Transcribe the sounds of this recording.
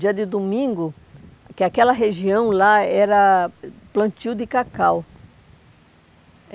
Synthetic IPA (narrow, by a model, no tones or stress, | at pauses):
d͡ʒiɐd̪ɪd̪omĩŋɡʊ | kɪakɛlɐɦeʒiɐ̃w̃laɛɾɐplɐ̃t͡ʃ̪iwd̪ɪkakaw